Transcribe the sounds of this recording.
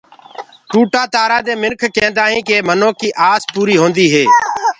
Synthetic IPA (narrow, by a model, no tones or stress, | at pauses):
ʈuːʈaːt̪aːɾaːd̪eːmɪnkʰkẽːnd̪aːɦĩːkeːmənoːkiːʔaːspuːɾiːɦoːnd̪iːɦeː